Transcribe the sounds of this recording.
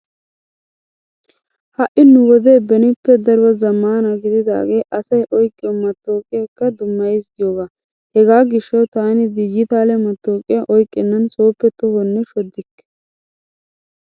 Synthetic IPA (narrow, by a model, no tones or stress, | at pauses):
hɐʔɪnʊwɔd̪eːbɛnɪpːɛd̪ɐɾbɐzɐmːaːnɐɡɪd̪ɪd̪a̰ːɡeːʔɐsɐjʔɔjkʼːɪɔmɐt̪ːo̞ːkʼɪjɐkːɐd̪ʊmːɐjɪsɡɪjoːɡaː | hɛɡaːɡɪʃːɐwt̪aːnɪd̪ɪd͡ʒɪt̪aːlɛmɐt̪ːoːkʼɪjɐʔɔjkʼːɪnːɐnso̞ːpːɛt̪ɔhɔnːɛʃɔd̪ːɪkː